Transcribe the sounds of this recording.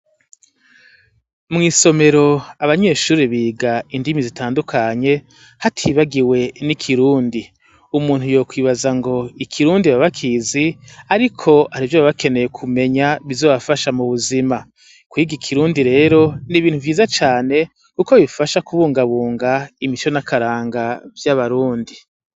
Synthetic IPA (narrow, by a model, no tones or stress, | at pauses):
mŋiːso̞me̞ɾo̞aβaɲe̞ːʃuːɾiβiːɡaindimizitʰaːndukʰaɲe̞ | hatʰiːβaɡiwe̞nikʰiɾuːndi | umuːn̥hujo̞ːkwiːβazaŋɡo̞ikʰiɾuːndiβaβakʰiziaɾikʰo̞aɾivjoβaβake̞ne̞jekʰume̞ɲaβizo̞βafaʃamuβuzima | kwiːɡikʰiɾuːndiɾe̞ːɾo̞niβiːnhuvjiːzat͡ʃaːne̞ | kuko̞βifaʃakuβuːŋɡaβuːŋɡaimit͡ʃo̞nakaɾaːŋɡavjaβaɾuːndi